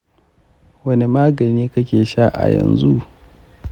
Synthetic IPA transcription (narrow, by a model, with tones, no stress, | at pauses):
wɐ˦ne˦maː˦ɡɐ˨niː˦kɐ˦kʲeː˨ʃa˦ʔa̰˨jɐ̰˨nzu˦ʔ